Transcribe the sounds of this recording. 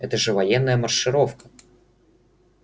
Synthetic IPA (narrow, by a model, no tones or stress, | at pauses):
ɛt̪əʐɛvɐjɛnːəjəmɐrʂɨɾofkə̥